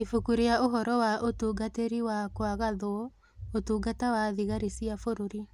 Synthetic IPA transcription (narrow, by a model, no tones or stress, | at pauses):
ifukuɾeaoɦɔɾɔwaʔotuːɡateɾiwakwaɣaðoɔ | otuːɡatawaðiɣaɾisiafoɾoɾi